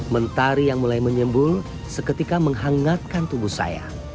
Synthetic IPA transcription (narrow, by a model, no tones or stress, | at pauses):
mənt̪aɾijaŋmulajməɲəmbʊl | səkət̪ikaməŋɦaŋat̪̚kant̪ubuhsa̰ja̰